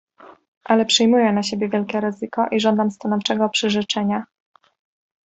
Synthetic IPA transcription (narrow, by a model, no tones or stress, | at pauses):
ʔalɛpʂɘjmujɛnaɕebʲjɛvʲjɛlkʲɛɾɘzɘkɔʔiʐɔnd̪amst̪anɔft͡ʂɛɡɔpʂɘʐɘt͡ʂɛɲa